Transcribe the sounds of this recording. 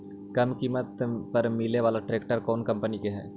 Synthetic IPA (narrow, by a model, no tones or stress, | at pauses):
kɐmkiːmət̪pɐɾmɪleʋaːlaʈɾeːkʈəɾkɔːnkɐ̃mpənikeɦɛ̰̃ː